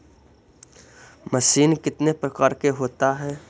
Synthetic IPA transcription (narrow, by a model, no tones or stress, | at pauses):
mɐsiːnkɪt̪nepɾɐkaːɾkeɦoːt̪aɦɛː